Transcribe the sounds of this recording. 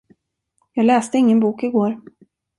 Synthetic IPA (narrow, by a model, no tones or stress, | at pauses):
jɑːɡlɛːst̪əɪŋːənbuːkɪɡoːɾ